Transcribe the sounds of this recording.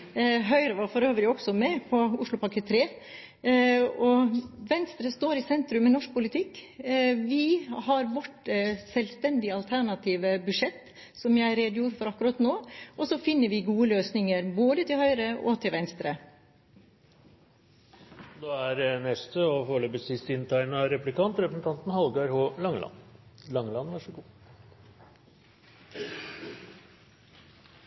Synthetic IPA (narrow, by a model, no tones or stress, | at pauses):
ɦœʏɾəʋɑɾfɔɾøːʋəɾɪɔksɔmɛpʰɔʊʂɭʊpʰɑkət̪ʰɾeː | ɔʋɛnst̪ɾəst̪oːɾɪsɛnt̪ɾʉmːɛnɔʂk̚pʊlɪt̪ʰɪkːʋɪhɑɾbɔʈːsɛlst̪ɛnd̪ɪɑlt̪ʰæɳɑt̪ʰiːʋəbʉʂɛt̪ː | sɔmjæɪɾeːd̪əjuːɾəfɔɾɑkːʉɾɑt̪noːʔɔsɔfɪnːəɾʋɪɡuːəløːsnɪŋəɾboːd̪ət̪ʰɪlhœʏɾəʔɔ̰t̪ʰɪlʋɛnst̪ɾə | d̪oːæɾnɛst̪əɔfoːɭɛbəsɪst̪ɪnt̪ʰɑɪnɑɾɛplɪkʰɑnt̪ɾɛpəsn̩t̪ʰɑnt̪n̩hɑlɡɑɾhoːlɑŋlɑ̰nlɑŋːlɑnʋɑʂɔɡuː